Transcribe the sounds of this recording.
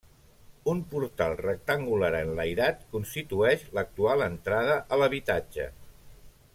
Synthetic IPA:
umpuɾt̪alˠrək̚t̪əŋɡulaɾənləjɾat̪kunst̪it̪uɛʃlək̚t̪ualˠənt̪ɾaðəʔələβit̪ad͡ʒə̰

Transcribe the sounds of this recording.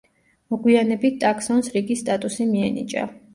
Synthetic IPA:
mɔɡwianɛbit̪̚t̪ʼakʰsɔnsɾiɡisːt̪ʼat̪ʼusimiɛnḭt͡ʃʼa̰

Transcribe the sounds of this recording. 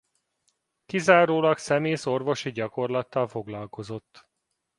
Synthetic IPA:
kizaːɾoːlɒksɛmeːso̞rvo̞ʃiɟɒko̞rlɒt̪ːɒlfo̞ɡlɒlko̞zo̞t̪ː

